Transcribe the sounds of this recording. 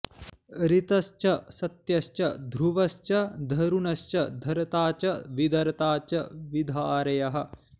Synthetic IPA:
ɾit̪ɐʃt͡ʃɐsɐt̪jɐʃt͡ʃɐd̪ʱɾuʋɐʃt͡ʃɐd̪ʱɐɾunɐʃt͡ʃɐd̪ʱɐɾɐt̪aːt͡ʃɐʋid̪ɐɾɐt̪aːt͡ʃɐʋid̪ʱaːɾɐjɐɦɐ̆

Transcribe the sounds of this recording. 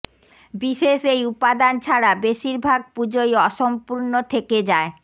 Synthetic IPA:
biʃeʃejupad̪ant͡ɕʰaɾabeʃiɾbʱaɡ̚pud͡ʑojɔʃompuɾnot̪ʰeked͡ʑae

